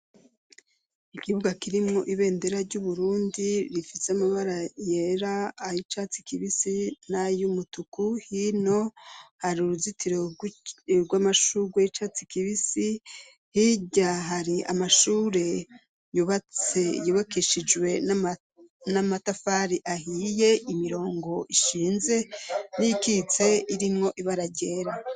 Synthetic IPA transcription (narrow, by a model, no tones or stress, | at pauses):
ikiβuɡakiɾimŋo̞ʔiβe̞ːnde̞ɾaɾɟuβuɾuːndiɾifiseamaβaɾaje̞ɾaːjit͡ʃat͡si̥kiβisinajumutukuhino̞haɾiuɾuzitiɾo | ɡwamaʃuɡwajit͡ʃat͡sikiβisi | hiɟaɦaɾiʔa̰maʃuːɾe̞ | juβat͡sejuβakeʃid͡ʒwe̞ | namatafaɾiʔahiːje̞ʔimiɾo̞ːŋɡo̞ʔiʃiːnze̞nijikit͡se̞iɾimŋo̞ʔiβaɾaɟeɾa